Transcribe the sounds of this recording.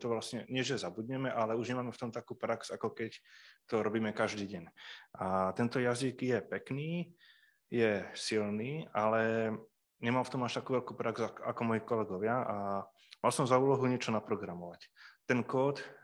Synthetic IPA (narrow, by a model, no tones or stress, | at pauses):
t̪ɔʋlasɲɛɲɪɛʒɛzabud̪ɲɛmɛʔalɛuʒɲɛmaːmɛft̪ɔmt̪akuːpɾaksakɔkɛct̪ɔɾɔbiːmɛkaʒd̪iːɟɛɲʔat̪ɛnt̪ɔjaziɡjɛpɛkniː | jɛsilniːalɛ | ɲɛmaːmft̪ɔmaʃt̪akuːʋɛlkuːpɾakzaa̰kɔmɔjiːkɔlɛɡɔʋɪaa | malsɔmzauːlɔɦuɲɪɛt͡ʃɔnapɾɔɡɾamɔʋact̪ɛnkɔːt̪